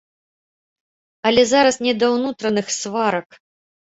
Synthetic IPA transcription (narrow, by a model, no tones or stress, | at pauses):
ɐlʲɛzaɾɐsnʲɛd̪ɐwnut̪ɾɐnɨxsvaɾɐk